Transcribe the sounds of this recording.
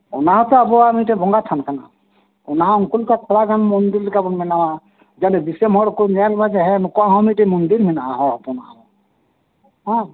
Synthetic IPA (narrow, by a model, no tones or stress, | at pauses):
ɔ̰naɦɔt̪ɔabɔamiʈɛbʱɔŋɡat̪ʰankana̰ | unaɦãŋkulkakʰɔɽaɡanmɔnd̪iɾlikabɔnmɛnawa | d͡ʒanɛbisemɔɽkunaalbad͡ʒɛɦɛnukɔaɦɔ̃miʈɛmɔnd̪iɾminaaɦɔ̃apɔnaɦɔ | ɦɔ̃